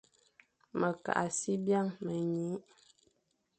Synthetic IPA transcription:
mə˨ka̰˨ʔa˨si˦bja˦˨ŋmə˨ɲu˨˦ʔ

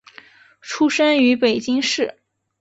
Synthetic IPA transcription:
ʈ͡ʂʰu˥ʂə˥ŋy˧˥pe˨˩ɪt͡ɕi˥ŋʂɻ̩˥˩

